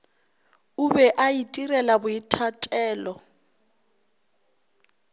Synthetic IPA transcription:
ʊbɛʔaitʼirɛlabʊitʰatʼɛːlɔ

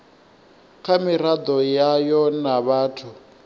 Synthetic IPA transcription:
kʰamiɾad̪ɔjajɔnaβaːtʰu

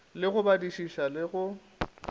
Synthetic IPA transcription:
lɪɣʊbadiʃiʃalɪɣʊ

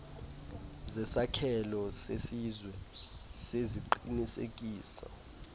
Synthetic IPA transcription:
zɛsakʰɛlɔsesizwɛseziǃinisḛk̬ʼiːsa̰

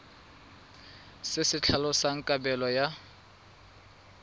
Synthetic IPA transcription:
sɪsɪt͡ɬʰalɔsaŋ̩kʼabɛlɔja

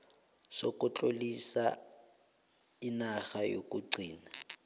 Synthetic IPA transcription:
sɔkʊt͡ɬʼolisa | ɪnaɣajo̰kʼuɡ͡ǀiːna

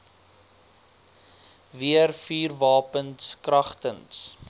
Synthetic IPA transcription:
viərfiːrvɑːpənskrɐχtəns

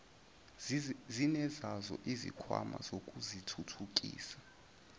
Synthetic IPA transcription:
zinɛzazɔ̰ʔizḭkʰwa̰ma̰zokʼuzitʰutʰukʼḭːsḁ

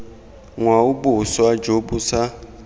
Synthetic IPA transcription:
ŋwaubuswad͡ʒobusa

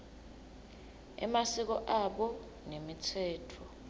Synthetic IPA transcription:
ɛ̰masik̬ɔʔaɓɔ | nemitʰɛːtʰɔ

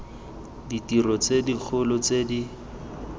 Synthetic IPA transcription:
ditirɔt͡sedik͡xʰʊlʊt͡sedi

